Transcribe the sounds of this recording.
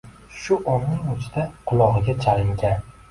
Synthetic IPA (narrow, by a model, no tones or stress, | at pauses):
ʃʊʔɒnːɪŋʊt͡ʃʰd̪aqʰʊlˠɒʁɨɡʲat͡ʃʰalɪŋɡʲan